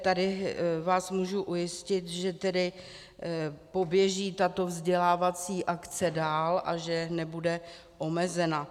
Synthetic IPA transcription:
t̪adɪvaːsmuːʒuʔujɪscɪt̪ʒɛt̪ɛdɪ | po̞bjɛʒiːt̪at̪ovzɟɛlaːvat͡siːʔakt͡sɛdaːlʔa̰ʒɛnɛbudɛ | ʔo̞mɛzɛna

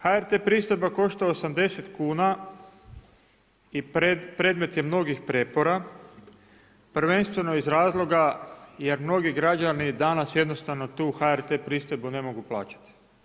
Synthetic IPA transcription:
haeɾt̪epɾiːst̪ojbako̞ʃt̪aosamd̪e̞set̪kuːna | ipɾe̞ːd̪me̞t̪jemno̞ɡixpɾepo̞ɾa | pɾ̩ʋe̞nst̪ʋe̞no̞izɾaːzlˠo̞ɡaje̞ɾmno̞ɡiɡɾad͡ʒanid̪anasje̞d̪no̞st̪aʋno̞t̪uːxaeɾt̪eːpɾiːst̪ojbune̞mo̞ɡuplˠa̰ːt͡ɕḁt̪i̥

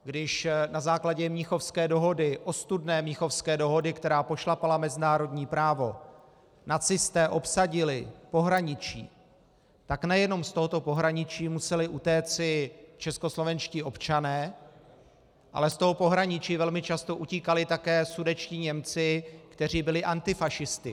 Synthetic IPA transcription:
ɡdɪʃnazaːklaɟɛmɲɪxo̞fskɛːdo̞ɦo̞dɪʔo̞st̪udnɛːmɲɪxo̞fskɛːdo̞ɦo̞dɪkt̪ɛɾaːpo̞ʃlapalamɛzɪnaːɾo̞dɲiːpɾaːvo̞ | nat͡sɪst̪ɛːʔo̞psaɟɪlɪpo̞ɦɾaɲɪt͡ʃḭː | t̪aknɛjɛno̞mst̪o̞ɦot̪o̞po̞ɦɾaɲɪt͡ʃiːmusɛlɪʔut̪ɛːt͡sɪt͡ʃɛsko̞slo̞vɛnʃciːʔo̞pt͡ʃanɛː | ʔa̰lɛst̪o̞ɦopo̞ɦɾaɲɪt͡ʃiːvɛlmɪt͡ʃast̪o̞ʔuciːkalɪt̪akɛːsudɛt͡ʃciːɲɛmt͡sɪkt̪ɛr̝iːbɪlɪʔant̪ɪfaʃɪst̪ɪ

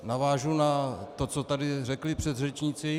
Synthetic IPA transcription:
navaːʒunat̪o̞t͡so̞t̪adɪrɛklɪpr̝̥ɛd̪rɛt͡ʃɲɪt͡sɪ

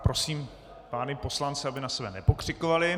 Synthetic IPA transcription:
pɾo̞siːm | paːnɪpo̞slant͡sɛabɪnasɛbɛnɛpo̞kr̝̥ɪkovalɪ

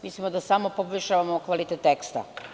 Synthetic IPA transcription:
mislimod̪asamopoboʃaʋamokʋalit̪et̪ːekst̪a̰

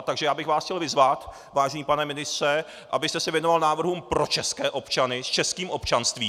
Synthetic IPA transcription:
t̪aɡʒɛjaːbɪxvaːsxcɛlvɪzvat̪ | vaːʒɛɲiːpanɛmɪnɪst̪rɛ | ʔa̰bɪst̪ɛsɛvjɛno̞valnaːvr̩ɦumpɾo̞t͡ʃɛskɛːʔo̞pt͡ʃanɪst͡ʃɛskiːmʔo̞pt͡ʃanst̪viː

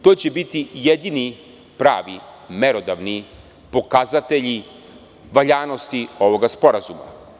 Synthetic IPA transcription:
t̪o̞jt͡ɕebit̪ijed̪ini | pɾa̰ːʋḭmeɾo̞d̪aʋni | po̞kazat̪e̞ʎi | ʋaʎaːno̞st̪io̞ʋo̞ɡaspo̞ɾazuma̰

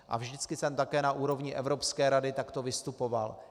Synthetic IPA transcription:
ʔa̰vʒdɪt͡skɪsɛmt̪akɛːnaʔuːɾo̞vɲɪʔɛvɾopskɛːɾadɪt̪akt̪o̞vɪst̪upo̞val

